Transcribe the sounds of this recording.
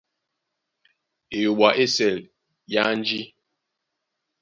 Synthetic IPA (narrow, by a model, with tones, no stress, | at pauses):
e˨jo˨ɓwa˨ʔe˦sɛ˨l | ja˦n˦d͡ʒi˦